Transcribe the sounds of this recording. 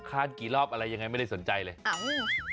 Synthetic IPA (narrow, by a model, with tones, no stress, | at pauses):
kʰaː˥˩nkiː˨˩lɔː˥˩p̚ʔa˧ɾa˧jːa˧ŋːa˧jma˥˩da˥˩so˩˦nt͡ɕa˧jlɤː˧ʔa˧˩ʔɯ˧˥˩